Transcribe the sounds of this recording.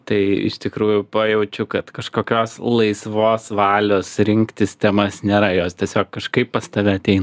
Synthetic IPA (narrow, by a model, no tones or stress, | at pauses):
t̪ɐɪɪ̰ʃt̪ʲɪkɾuːjʊpɐjɛʊt͡ʃʲʊkɐt̪kɐʃkoːkʲoːslˠɐɪsʋoːsʋɑːlʲoːsɾʲɪŋkt̪ʲɪst̪ʲɛmɐsnʲeːɾɐjoːst̪ʲiɛsʲoːkːɐʃkɐɪpppɐst̪ɐʋʲɛɐt̪ʲɛɪnɐ